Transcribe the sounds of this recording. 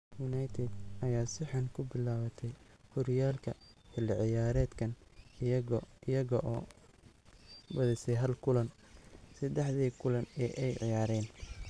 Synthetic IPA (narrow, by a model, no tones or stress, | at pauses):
jʊnajt̪ʰɛd̪ʔɐjaːsɪħɑnkʰʊbɪlaːwɐt̪ʰɛjhʊɾɪjaːlkʰɐ̰ħɪlːɪʕɪjaːɾɛːd̪kʰɐn | ɪɐɣɐʔɔː | bɐðɪsɛjɦɐlkʰʊlɐn | sɐd̪ɛħðiːkʰʊlɐnɛʔɛjʕɪjaːɾɛːn